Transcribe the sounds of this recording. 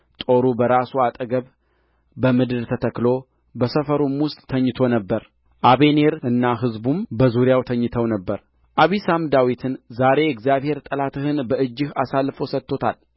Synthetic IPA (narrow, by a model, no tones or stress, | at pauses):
t̪ʼo̞ɾubəɾasuat̪ʼəɡəβ | bəmɨd̪ɨd̪t̪ʰət̪ʰəklo | bəsəfəɾumwʊst̪ʼːʰəɲːɪt̪ʰo̞nəbːəɾ | ʔaβe̞ne̞ɾɨnːaɦɨzbumbəzuɾjawt̪ʰəɲːɨt̪ʰəwnəbːəɾ | ʔaβisamd̪awit̪ʰɨnzaɾe̞ɛɡzjaβhe̞ɾt̪ʼəlat̪ʰɨhɨnbəʔɨd͡ʒːɪhasalːfo̞sət̪ːo̞t̪ʰal